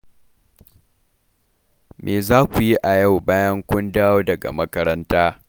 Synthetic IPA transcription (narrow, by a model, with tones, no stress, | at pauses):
mʔeː˨zaː˦kʷu˨ji˦ʔa˨ja˦˨wbaː˦jɐ˦ŋkʷʊ˦ndaː˦joː˦dɐ˨ɡa̰˨mɐ˦kɐ˦ɾɐ˦ntaː˦